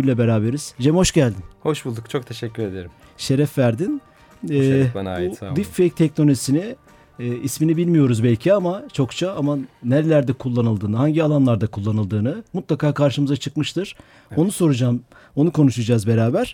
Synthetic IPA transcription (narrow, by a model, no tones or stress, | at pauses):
yjlʲɛbe̞ɾaːbe̞ɾiz̥d͡ʒɛmho̞ʃɟælʲd̪inho̞ʃbulˠd̪ukt͡ʃʰo̞k̚t̪ʰeʃɛcːyɾed̪eɾim | ʃe̞ɾɛfvæɾd̪in | ɛana̰ːbid̪iffejc̚t̪ʰɛcnolʲoisini | isminibilʲmijo̞ɾuzbɛlʲcʰiamat͡ʃʰo̞kt͡ʃʰaamanæɾlʲæɾd̪ɛkʰulˠːanɯlˠd̪ɯːnɯhaɲɟialˠanlˠaɾd̪akʰulˠːanɯlˠd̪ɯːnɯmut̪lˠakʰaːkʰaɾʃɯmɯzat͡ʃʰɯkmɯʃt̪ʰɯɾ̥ | o̞nuso̞ɾud͡ʒaːm | o̞nukʰo̞nuʃud͡ʒaːzbeɾaːbæɾ̥